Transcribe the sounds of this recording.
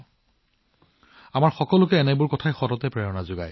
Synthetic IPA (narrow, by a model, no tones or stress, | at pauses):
amaɹxɔkɔlʊkɛɛnɛbʊɹkɔtʰajxɔɾɔtɛpɹɛɔnazʊɡa̰j